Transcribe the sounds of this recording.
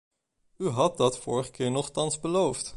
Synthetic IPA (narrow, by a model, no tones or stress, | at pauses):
yɦɑt̚dɑtfʊːɹəχə̥kɪːɹnɔχtɑnzbəlowft